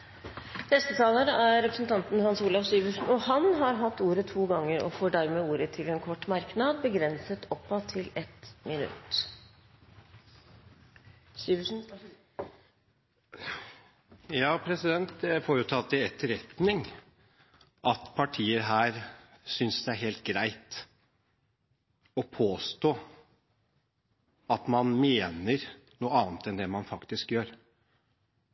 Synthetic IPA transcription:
nɛst̪ət̪ʰɑːləɾəʔæɾːɛpɾəsn̩t̪ʰɑnt̪n̩hɑnsuːlɑfsyːʋʉʂn̩ɔhɑnɦɑɾɦɑt̪ːuːɾət̪ʰuːɡɑŋːəɾɔ̰foːɖæɾmeːuːɾət̪ʰɪlɛnkʰɔʈːmɑɾknɑd̪bəɡɾɛnsət̪ʰɔpːɑt̪ʰːɪlɛt̪mɪnʉ̰t̪ | syʋʂn̩ | jɑːpʰɾɛsɪd̪ɛnt̪̚d̪ɛfoːɾʊt̪ʰɑt̪ːɪɛt̪ːəɾɛt̪nɪŋ | ɑt̪pʰɑʈʰiːəɾɦæːɾsʏnsd̪ɛæɾɦeːlt̪̚ɡɾæɪt̪ | ɔpʰoːst̪oː | ɑt̪mɑnmeːnəɾ | nuːəɑːnt̪ɛnd̪ɛmɑnfɑkt̪ɪskjøːɾ

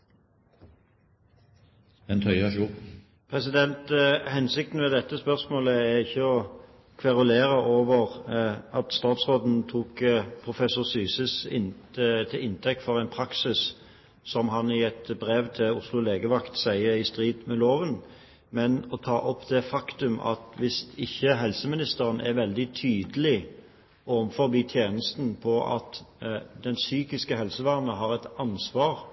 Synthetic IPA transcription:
ɛnt̪ʰœʏɑʃu | pʰʁɛsɪd̪ɛnt̪hɛnsɪkt̪n̩mɛd̪ɛt̪ːəspœʁsmoːləæʁɪçːəɔ | kʰʋɑʁʊleːʁəʔoːʋəʁɑt̪st̪ɑːt̪sʁoːd̪n̩t̪ʰuːkpʰʁʊfɛsːʊʁsyːsəsɪ̰t̪ʰɪʔɪnt̪ʰɛk̚t̪fɔʁæɪnpʰɾɑksɪs | sɔmɦɑnɪɛt̪bʁeːʋt̪ʰɪlʊslʊleːɡəʋɑkt̪sæɪəɪst̪ʁiːd̪mɛloːʋən | mɛnɔt̪ʰɑːʔɔpːd̪̥ɛfɑkt̪ʉmɑ̰t̪ʋɪst̪ɪçːəɦɛlsəmɪnɪst̪əʁənʔɛ̰ʁʋɛld̪ɪt̪ʰyːd̪əlɪ | ɔmfɔʁbiːt̪ʰjeːnəst̪n̩pʰɔɑ̰t̪d̪ɛnsyːkɪskəhɛlsəʋæːʁnəɦɑːʁɛt̪ɑnsʋɑːʁ

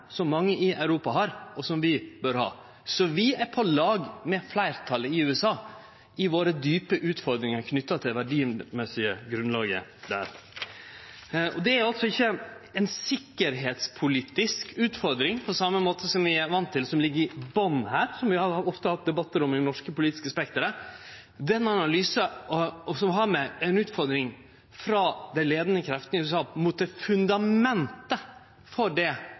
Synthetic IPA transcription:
sɔmːɑŋːəʔɪʔɑʉɾuːpɑɦɑɾɔsɔmʋɪbøːɾhɑ̰ː | sɔʋɪæɾpʰɔlɑːɡmɛflæɪɾt̪ʰɑləɪʉːɛsɑː | ɪʋoːɾəd̪yːpəʔʉːt̪fɔɾd̪ɾɪŋɑɾkʰnʏt̪ːɑt̪ʰɪlʋæɖiːmɛsɪəɡɾʉnlɑːɡə̰d̪æ̰ːɾ | ʔɔd̪ɛæɾjɑlt̪sɔɪçːəɛnsɪkːəɾɦeːt̪spʰʊliːt̪ɪskʉːt̪fɔɾd̪ɾɪŋpʰɔsɑmːəmoːt̪ʰəsɔmʋɪæɾʋɑnt̪ʰːɪlsɔmlɪɡːəɾɪbɔnhæːɾsɔmʋɪhɑɾɑɔft̪əhɑt̪̚d̪ɛbɑt̪ːəɾɔmɪnɔʂkəpʊliːt̪ɪskəspɛkt̪əɾə | d̪ɛnːɑnɑlyːsəɔsɔmɦɑɾmɛɛnʉːt̪fɔɾd̪ɾɪŋ | fɾɑd̪ɛnleːd̪ənəkʰɾɛft̪ənɪʉːsɑːmuːt̪̚d̪ɛfʉnd̪ɑmmɛnt̪ə | fɔɖɛ

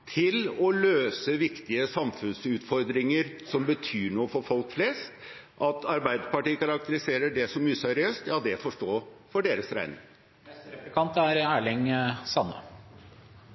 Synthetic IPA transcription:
t̪ʰɪlɔløːsəʋɪkt̪ɪəsɑmfʉnsʉːt̪fɔɾd̪ɾɪŋəɾsɔmbət̪ʰyːɳuːəfɔɾfɔlkflɛːst̪ | ʔɑt̪ʰɑɾbæɪd̪əpɑʈiːkɑɾɑk̚t̪əɾɪseːɾəɖɛsɔmːyːsɛɾɪøːst̪jɑːd̪ɛfɔʂʈoːfɔɖeːɾəsɾæ̰ɪnɪ̰ŋ | əkʰɑnt̪æɾæːɭɪŋsɑnːə̰

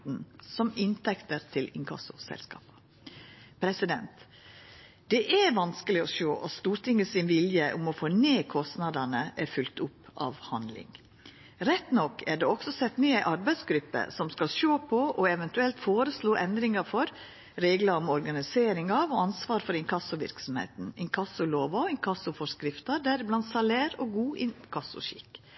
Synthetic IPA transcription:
n̩sɔmɪnt̪ʰɛkt̪əɾt̪ʰɪlɪŋkʰɑ̰sʊsɛ̰lskɑ̰ːpə̥ | pʰɾɛsɪd̪ɛ̰nt̪ | d̪̥ɛʔæɾʋɑnskəlɪɔʃoːʔɑt̪st̪uːɾʈ̪ʰɪŋːəsɪnʋɪljəʔʊmɔfoːneːkʰɔst̪nɑd̪ɑnəʔæɾfʉlt̪ʊpːɑ̰ːʋhɑnd̪lɪ̰ŋ | ɾɛt̪nɔkːæɖɛɔksɔsɛt̪nyːæɪʔɑɾbæɪd̪sɡɾʉpːə̰sɔmskɑlʃoːpʰɔʔɔɛʋɛnt̪ʉɛlt̪foːɾəsluːʔɛnd̪ɾɪŋɑɾfɔɾ | ɾeːɡlɑɾɔmɔɾɡɑnɪseːɾɪŋɑʋɔɑnsʋɑːɾfɔɾɪŋkʰɑsːʊʋɪ̰ɾksɔm̩hḛːt̪n̩ɛnkʰɑsʊloːʋɑɛnkʰɑsʊfɔɾskɾɪft̪əɖ̪æɾblɑnt̪sɑleːɾɔɡuːʔɪnkʰɑsːʊ̰ʃɪ̰kː

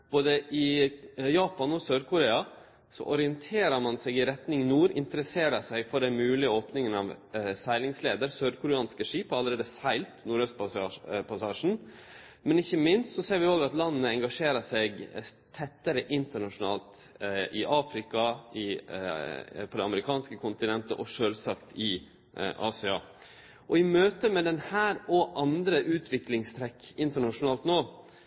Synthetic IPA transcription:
b̥oːd̪əʔɪjɑːpɑnɔsøːɾkʰʊɾeːɑ | sɔ̰ʔɔɾɪənt̪ʰeːɾəɾmɑnsɛɡɪɾɛt̪nɪŋnuːɾɪ̰nt̪əɾəseːɾəsɛɪɡfɔɖɛmʉːlɪoːpnɪŋənɑʋsæɪlɪŋsleːd̪əɾsøːɾkʰʊɾɛɑːnskəʂiːpɔɑlːəɾeːd̪əsæɪlt̪nuːɾœst̪̚pɑɑpʰɑsɑːʂn̩ | mɛnɪçːəmɪnst̪sɔseːɾʋɪoːɡɑt̪lɑnːəɛŋɡɑʂeːɾəʂɛɡt̪ʰɛt̪ːəɾəʔɪnt̪əɳɑʂʊnɑ̰ːlt̪ | ʔɪʔɑːfɾɪkɑɪ | pʰɔd̪ɛɑməɾɪkʰɑːnskəkʰʊnt̪ɪnɛnt̪ə̰ʔɔʂøːlsɑkt̪ɪ | ʔɑ̰ːsɛɑ̰ː | ʔɔɪmøːt̪əmɛd̪ɛnhæːɾɔʔɑnd̪ɾəʔʉːt̪ʰʋɪklɪŋst̪ʰɾɛkːɪnt̪əɳɑʂʊnɑːlt̪noː

